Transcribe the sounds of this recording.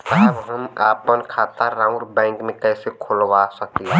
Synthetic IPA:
təɦɛʋɦəmaːpənkʰaːt̪aɾaːʊ̃ɖbɛ̃ːŋkmẽkɛːsekʰolʋasɐk̚t̪iɦɛ

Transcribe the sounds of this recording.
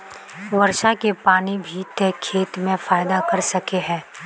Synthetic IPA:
ʋɐɾʃakepaːnibʱit̪ekʰeːt̪mẽfaːɪd̪akɐɾsɐkeɦɛ̃ː

